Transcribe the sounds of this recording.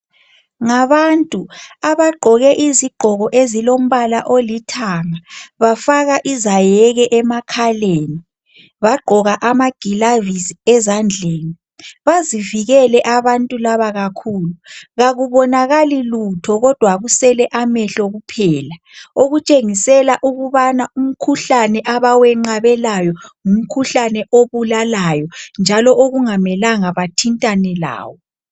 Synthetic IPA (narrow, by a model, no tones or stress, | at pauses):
ŋaβantʼuaβaɡ͡ǃʱɔɣɛʔiziɡ͡ǃʱɔɣɔʔezilom̩βalaʔolitʰaŋaβafaɣaʔizajɛɣɛʔɛmakʰaleːni | βaɡ͡ǃʱɔɣaʔamaɡ̥ʱilavisiɛzand͡ɮʱeːni | βaziviɣɛlɛʔaβantʼulaβaɣakʰuːluɣaɣuβɔnaɣalilutʰɔɣɔd̥ʱwaɣusɛlɛʔamɛɬɔɣupʰɛːla | oɣut͡ʃʼeŋisɛlaʔuɣuβanaum̩kʰuɬanɛʔaβawɛŋ͡ǃaβɛlajɔŋum̩kʰuɬanɛʔoβulalajɔnd͡ʒʱalɔʔoɣuŋamɛlaŋaβatʰintʼanɛla̰ːwɔ